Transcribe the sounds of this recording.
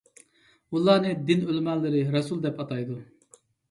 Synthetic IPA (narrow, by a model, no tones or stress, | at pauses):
ulˠːɑːnɨd̪ɪnølmɛlːɪɾɪɾɑsulˠd̪ɛpɑt̪ɑjd̪u